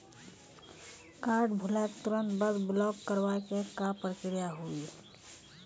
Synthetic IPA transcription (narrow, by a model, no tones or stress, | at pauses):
kaːɾɖbʱʊlɛːkt̪ʊɾə̃nt̪bəd̪bɪlɔːkkəɾwakekapɾəkɾijaɦui